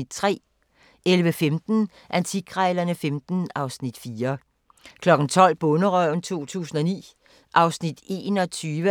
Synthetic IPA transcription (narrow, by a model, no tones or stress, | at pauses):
d̥̚t͡sʰʁɛ̰ː | elʋəfemd̥n̩ | ʔænt͡sʰiɡ̥ʁaɪlɐnəfemd̥n̩ɑ̈ʊsnid̥fiːɐ | kʰlɒ̽ɡ̥n̩t͡sʰɒ̽l̰b̥ɔ̽nəʁœʊ̰n̩t͡sʰo̝̰ːt͡sʰṵːsn̩ɒnḭː | ʔɑ̈ʊsnid̥e̝nɒ̽t͡sʰyːʋə